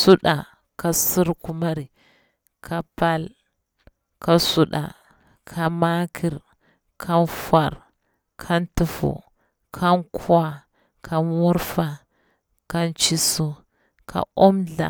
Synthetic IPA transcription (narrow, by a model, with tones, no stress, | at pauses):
su˦ɗa˨ | ka˨si˦ɾku˦ma˦ɾi˨ | kʰa˦pa˦l | ka˨su˦ɗa̰˨ | kʰa˨ma˦kʰi˨ɾ | kʰa˦nfa˨ɾ | kʰa˦ntu˨fṵ˨ | kʰa˦nkʰwa˦ | kʰa˦wu˦ɾfa˨ | ka˦nt͡ʃi˦su˦ | kʰa̰˨o˦mɮa̰˨